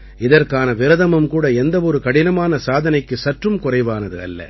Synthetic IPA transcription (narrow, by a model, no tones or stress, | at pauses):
ɪðɐrkaːnɐʋɪɾɐðɐmɐmkuːɽɐɛnd̪ɐʋɔɾɯkɐɽɪnɐmaːnɐsaːðɐnɐɪkːɯsɐʈrɯmkʊrɐɪʋaːnɐðɯɐ̰lːɐ̰